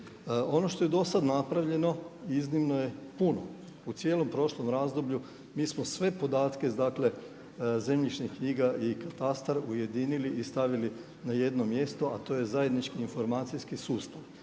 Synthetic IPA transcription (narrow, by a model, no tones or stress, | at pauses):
o̞no̞ʃt̪o̞je̞d̪o̞sad̪napɾaʋʎe̞no̞iznimno̞je̞puno | ut̪sjeːlompɾo̞ʃlo̞mɾaːzd̪o̞bʎu | miːsmosʋe̞po̞d̪aːt̪ke̞d̪akle̞ | ze̞mʎit͡ʃnikɲiːɡaʔikat̪ast̪aɾuje̞d̪iːniliʔist̪aʋili | naje̞d̪no̞mje̞st̪o̞at̪o̞ːje̞zaje̞d̪nit͡ʃkiːnfo̞ɾmaːt̪sijskisuːst̪aʋ